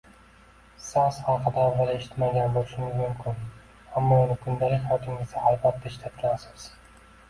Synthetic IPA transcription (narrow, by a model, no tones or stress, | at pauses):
sɑshɑqʰɨd̪aɒmʁalaeʃɪ̥t̪maɡʲanbolˠɪʃɪmɪzmʊmkʲʰɪn | amːɒʊnɪkʰʊnd̪alɪkʲhɑwt̪ʰɪmʲɪsahɑjbat̪̚d̪aʃt̪ʰat̪̚ɡʲanasɒs